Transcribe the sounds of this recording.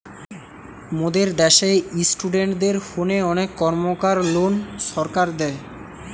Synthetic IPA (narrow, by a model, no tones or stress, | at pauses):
mod̪eɾd̪ɛʃeisʈuɖeɳʈd̪eɾhoneɔnekːɔɾmokaɾlonʃɔɾkaɾd̪ɛe